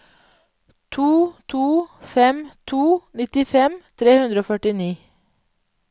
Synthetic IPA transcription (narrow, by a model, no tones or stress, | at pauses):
t̪ʰuːt̪ʰuːfɛmt̪ʰuːnɪt̪ɪfɛmt̪ʰɾeːhʉnd̪ɾəoːfœʈɪniː